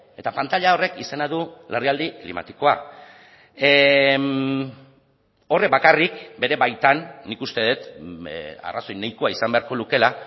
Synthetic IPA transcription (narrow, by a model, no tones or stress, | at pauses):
e̞t̪apant̪aʎao̞re̞kise̞naðuleriald̪iklḭma̰t̪iko̞a | o̞rebakarikbe̞ɾe̞βajt̪anːikust̪e̞ðet̪ | a̰raso̞jnejkoaisambe̞aɾko̞luke̞la